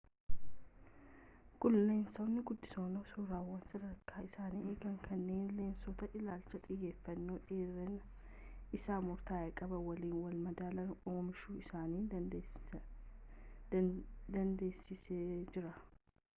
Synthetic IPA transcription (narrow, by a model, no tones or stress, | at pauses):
ɡ̥ʊlːe̞ːnsɐwnːɪɡʊd̪ːɪsoːnoːsuːɾaːwːɐnsɐɾɐɾkʰːaːɪsaːniːeːɡɐŋkʰɐnːe̞ːnle̞ːnsɔt̪ɐʔɪlaːlt͡ʃːɐt̪ʼɪjːe̞ːfːɐnːoːᶑeːrɐn | ɪsaːmʊɾt̪aːjɛkʼɐbɐwɐliːnwɐlmɐd̪aːlɐnoːmɪʃuːɪsaːniː | d̪ɐnd̪e̞ːsɪseːd͡ʒɪɾɐ